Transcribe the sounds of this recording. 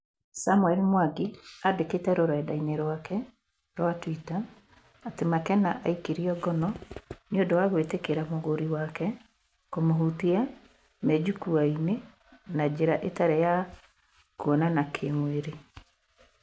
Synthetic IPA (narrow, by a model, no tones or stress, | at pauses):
samuɛlmwaɡiadeketɛɾoɾɛdaineɾwakɛ | ɾwatwitaː | temakɛnaʔa̰ikiɾiɔɡɔnɔnjondɔwaɣwetekeɾamoɣoɾiwakɛ | komoɦutia | mɛd͡ʒukuaine | nad͡ʑeɾaʔetaɾeja | kuɔnanakʰemoeɾe